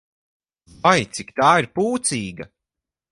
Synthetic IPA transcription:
vajt̪sikt̪aːiɾpuːt̪siːɡɐ

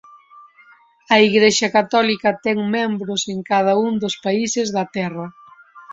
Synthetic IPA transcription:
ɐiɣɾeʃɐkat̪ɔlikɐt̪ɛŋmɛ̃mbɾʊseŋkað̞ɐuŋd̪ospaisɪzðɐt̪ɛrɐ

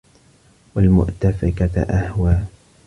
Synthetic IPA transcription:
walmʊ̰ʔt̪afɪkaʔahwaː

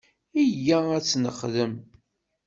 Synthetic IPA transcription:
ijææt͡sːnəχðəm

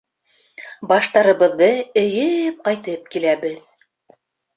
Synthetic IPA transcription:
bɑʃt̪ɑɾɤ̆βɤ̆ðːɤɘ̆jɘp̚qɑjt̪ɤp̚kilæβɘð

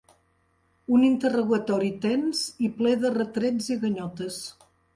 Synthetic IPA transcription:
unint̪əruɣət̪ɔɾit̪ɛnziplɛðərət̪ɾɛziɣəɲɔt̪əs

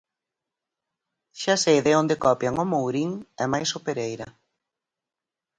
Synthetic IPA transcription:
ʃasejðɪond̪ekɔpjaŋʊmowɾiŋɛmajsopeɾejɾɐ

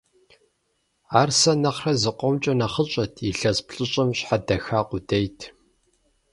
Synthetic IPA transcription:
aːrsɐnɐχrɐzɨqʷɔmt͡ʃʼɐnɐχəɕʼɐtʰiɬɐzpɬʼɨɕʼɐmɕħadɐxaːqʷʊdejtʰ

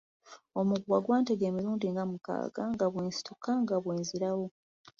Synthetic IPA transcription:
o̞muɡuwaɡwaːnteɡe̞ːmiɾuːndiŋɡamuka̰ːɡ̥aŋɡaβweːnsi̥tokʰaŋɡaβweːnziɾawo̞

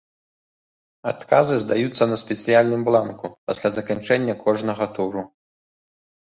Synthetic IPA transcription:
a̰t̪kazɨzd̪ajut̪sːɐnɐsʲpʲɛt̪sɨjalʲnɨmblˠankupasʲlʲazɐkant͡ʂɛnʲːɐkʰɔʐnɐɣɐt̪uɾu

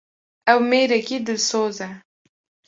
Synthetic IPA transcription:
ɛwmeːɾɛkiːd̪ɨlsoːzɛ

